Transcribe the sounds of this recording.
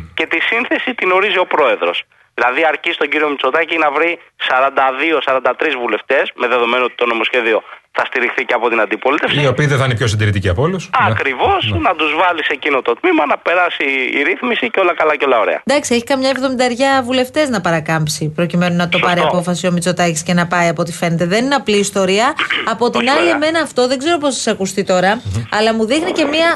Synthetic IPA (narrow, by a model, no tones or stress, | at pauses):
ce̞t̪isinθe̞sit̪ino̞ɾizio̞pɾo̞e̞ðɾo̞̰s | ðilɐðiɐɾcist̪oɲɟiɾio̞mit͡so̞t̪ɐcinɐvɾisɐɾɐnd̪ɐðio̞sɐɾɐnd̪ɐt̪ɾizvule̞ft̪e̞sme̞ðe̞ðo̞me̞noot̪it̪o̞no̞mo̞sçe̞ðio̞θɐst̪iɾixθiceɐpo̞t̪inɐnd̪ipo̞lit̪e̞fsiio̞piːðeθɐinepço̞sind̪iɾit̪iciɐpolusɐkɾivo̞snɐd̪uzvɐlise̞cino̞t̪o̞t̪mimɐnɐpe̞ɾɐsḭːɾiθmisiceolɐkɐlɐceo̞lɐoɾe̞̰ɐ̰nd̪ɐksieçi̥kɐmɲɐevðomind̪ɐeɾʝɐvule̞ft̪e̞znɐpɐɾɐkɐmpsipɾo̞cime̞nunɐt̪o̞ɐɾiɐpo̞fɐsio̞mit͡so̞t̪ɐcisce̞nɐpɐiɐpo̞t̪i̥fe̞ne̞t̪e̞ðe̞nineɐpliːst̪o̞ɾiɐːpo̞t̪inɐlieme̞nɐːft̪o̞ðe̞ɡze̞ɾo̞possɐ̥sɐkust̪it̪o̞ɾɐɐlɐmuðixnice̞miɐ